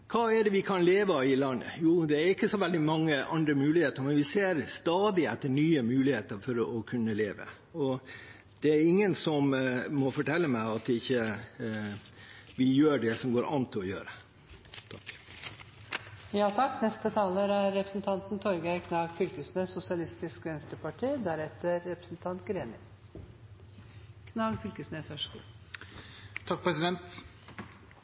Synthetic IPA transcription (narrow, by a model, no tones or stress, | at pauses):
kʰɑːæɖɛʋɪkʰɑnleːʋəɪlɑnːə̰juːd̪ɛæɾɪkːəsɔʋɛld̪ɪmɑŋːəʔɑnd̪ɾəmʉːlɪheːt̪əɾmɛnʋɪseːɾst̪ɑːd̪ɪɛt̪ːəɳyːəmʉːlɪheːt̪əɾfɔɾɔkʰʉnːəleːʋə̰ | ɔ | d̪̥ɛæɾɪŋːənsɔmːɔfɔʈɛlːəmæɪɑt̪ɪçːə | ʋɪjøːɖɛsɔmɡoːɾʔɑ̰nt̪ʰːɪɔjø̰ːɾə | t̪ʰɑk | jɑːt̪ʰɑkːnɛst̪ət̪ʰɑːləɾæɾːɛpɾə̥snt̪ʰɑnt̪nt̪ʰɔɾɡæɪkʰnɑːɡfʏlkəsneːsʊsɪɑlɪst̪ɪskʋɛnst̪əpɑʈʰiːd̪æɾɛt̪ːəɾːɛpɾəsnt̪ʰɑnt̪ɡɾeːnə | kʰnɑːɡfʏlkəsneːsʋæʂɡṵ | t̪ʰɑk̚pɾɛsɪd̪ɛnt̪